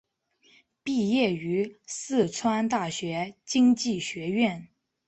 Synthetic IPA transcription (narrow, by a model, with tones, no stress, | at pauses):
pi˥˧jɛ˥˩y˧˥sɹ̩˥˩t͡sʰwa˥nt̪a˥˩ɕɥɛ˧˥t͡ɕi˥ŋt͡ɕi˥˩ɕɥɛ˧˥ɥɛ˥˩n